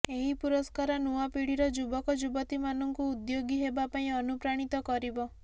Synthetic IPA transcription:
eɦipuɾɔskaɾɔnuwapiɽiɾɔd͡ʒubɔkɔd͡ʒubɔt̪imanɔŋkuːd̪joɡiɦebapaĩɔnupɾaɽ̃it̪ɔkɔɾibɔ

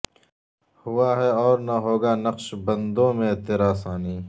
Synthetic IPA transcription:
hʊwaːɦɛɔːɾnaɦoːɡaːnɐqʃbɐ̃nd̪õmẽt̪eɾaːsaːniː

